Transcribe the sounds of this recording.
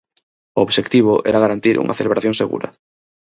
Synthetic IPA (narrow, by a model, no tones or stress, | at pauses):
ooβʃekt̪iβ̞oʔeɾaɣaɾant̪iɾʔṵŋʔa̰θeleβɾaθjoŋseɣṵɾɐa̰